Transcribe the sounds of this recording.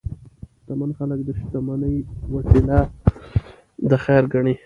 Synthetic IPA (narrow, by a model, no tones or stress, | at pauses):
ʃt̪amanxaləkd̪əʃt̪amanəjwaʈila | d̪əxaɾɡaɳi